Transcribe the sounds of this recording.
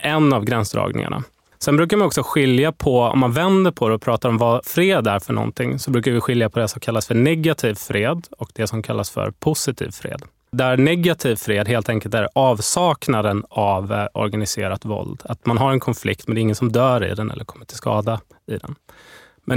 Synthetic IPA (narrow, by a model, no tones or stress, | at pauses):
ʔɛnːavɡɾɛnsd̪ɾɑ̰ːɡnɪ̰ŋa̰ɳʔa̰ | sɛnbɾʉ̟ːk̬aɾmanɔksɔɧɪljapʰɔɔ̰mːanvɛnd̪əɾpʰɔd̪ɛɔpʰɾɑːt̪aɾɔmvɑfɾeːd̪æɾfœɳɔ̰nt̪ʰɪŋːsɔbɾʉkaɾvɪɧɪljapʰɔd̪ɛsɔmkʰalːasfœɳɛɡat̪ʰiːvfɾeːd̪ɔkd̪ɛsɔmkʰalːasfœ̰ɾpʰʊsɪt̪ʰḭːvfɾḛːd̪ | d̪ɛæɾnɛɡat̪ʰiːvfɾeːd̪ɦeːlt̪ʰɛŋkəlt̪æɾɑːvsɑːknad̪ənavʔɔ̰ɾɡanɪseːɾat̪vɔ̰ld̪at̪manɦaɾɛnkʰɔnflɪk̚t̪mɛnd̪ɛɪŋːənsɔmd̪œːɾɪ̰d̪ɛnʔɛ̰lːəɾkʰɔmːəʈʰɪlskɑ̰ːd̪a | ɪd̪ɛ̰n | mʔɛn